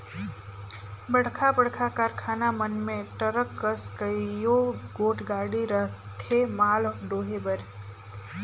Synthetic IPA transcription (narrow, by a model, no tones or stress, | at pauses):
bəɽkʰabəɽkʰakaɾkʰanamənmẽʈəɾəkːəskəjoɡoːʈʰɡaɽiɾəɦt̪ʰemaːlɖoːɦebəɾ